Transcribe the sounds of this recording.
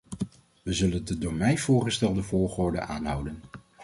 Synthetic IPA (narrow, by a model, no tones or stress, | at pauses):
ʋəzɵləndədoːɹmɛjv̥ʊːɹχəstɛlˠdəvʊːɹχʊːɹdə̰ʔaːnɦʌwdən